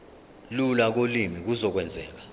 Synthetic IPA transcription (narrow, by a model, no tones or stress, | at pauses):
lulak̬olimik̬uzɔk̬wɛnd͡zʱɛ̰ːk̬ḁ